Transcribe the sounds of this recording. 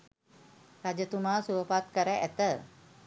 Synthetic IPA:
rad͡ʒət̪umaːsuəpat̪̚kəɾəʔæt̪ə

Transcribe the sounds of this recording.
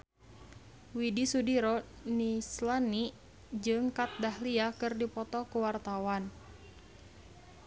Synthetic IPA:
widisudiɾɔ | nislani | d͡ʒɨŋkat̪̚dahliakɨrdipɔt̪ɔkuwart̪awan

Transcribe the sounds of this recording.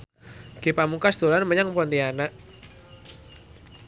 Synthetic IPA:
ɡ̥ipamukasd̪̥o̤lanməɲaŋpɔnt̪ianaʔ

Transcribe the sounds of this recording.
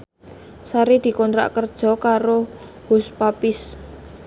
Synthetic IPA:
saɾid̪̥i̤kɔnt̪ɾa̰ʔkərd̥ʒ̥ɔ̤kaɾo | hʊspapɪs

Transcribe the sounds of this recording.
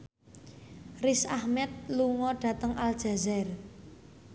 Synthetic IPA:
rɪsahmɛt̪̚luŋɔɖ̥ä̤t̪əŋald̥ʒ̥a̤zɛr

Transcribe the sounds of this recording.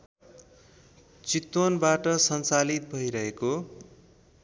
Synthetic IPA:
t͡sit̪wʌnbaʈʌsʌnt͡salit̪̚bʱʌiɾʌɦeko

